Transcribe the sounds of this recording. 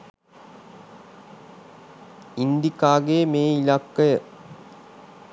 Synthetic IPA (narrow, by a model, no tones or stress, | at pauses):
ind̪ikaːɡeːmeːilakːəjə